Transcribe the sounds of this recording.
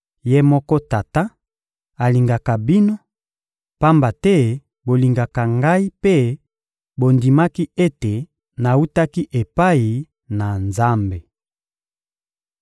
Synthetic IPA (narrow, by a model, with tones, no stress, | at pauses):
je˦mɔ˦kɔ˦ta˨ta˦ | a˨li˨ŋɡa˨ka˨bi˦no˦ | pa˦mba˨tɛ˦ | bo˨li˨ŋɡa˨ka˨ŋɡa˦i˦pe˦ | bo˨ndi˨ma˦ki˦e˦te˨ | na˨u˦ta˦ki˦ʔe˨pa˦i˨ | na˨nza˦mbe˨